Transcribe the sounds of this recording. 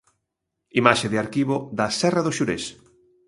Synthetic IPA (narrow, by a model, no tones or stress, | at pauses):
imaʃeðɪaɾkiβoðɐsɛrɐðoʃuɾḛs